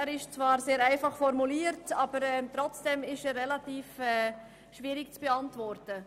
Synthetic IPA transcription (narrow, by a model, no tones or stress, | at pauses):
æːɾɪʃt͡svɑːɾseːɾæɪfɑχfɔɾmuliːəɾtɑːb̥əɾɛmtɾɔt͡sd̥ɛmɪʃɛɾrɛlatiːfɛː | ʃviːɾɪkt͡sb̥ɛɑntvɔɾtə